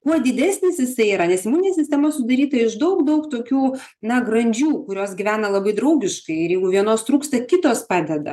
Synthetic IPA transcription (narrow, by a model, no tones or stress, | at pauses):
kuɔd̪ʲɪd̪ʲæːsʲnʲɪsjɪsɐɪiːɾɐnʲɛsɪmuːnʲnʲeɛsʲɪsʲt̪ʲɛmɐsʊd̪ɐɾʲiːt̪ɐɪʃd̪ɐʊkd̪ɐʊkt̪oːkʲuː | nɐɡrɐnʲd͡ʒʲuːkʊɾʲoːsɡʲɪʋʲæːnɐlˠɐbɐɪd̪ɾɐʊɡʲɪʃkɐɪɪɾjɛɪɡʊʋʲiɛnoːst̪ɾuːkst̪ɐkʲɪt̪oːspɑːd̪ʲɛd̪ɐ̰